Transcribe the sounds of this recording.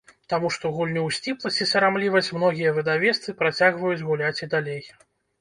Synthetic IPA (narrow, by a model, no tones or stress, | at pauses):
t̪amuʂt̪ɔɣulʲnʲuwsʲt͡sʲiplˠɐsʲt͡sʲisɐɾamlʲivɐsʲt͡sʲmn̪ɔɣʲijɐvɨd̪avʲɛst̪sɨpɾat͡sʲaɣvɐjud͡zʲɣulʲat͡sʲid̪alʲej